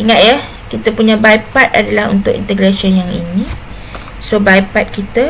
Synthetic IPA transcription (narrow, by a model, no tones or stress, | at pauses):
iŋãt̪̚ja | kit̪əpuɲãbajpat̪̚a̰dalaɦṵnt̪ʊkḭnt̪ɛɡɾasionjaŋḭnĩ | sobajpat̪̚kit̪a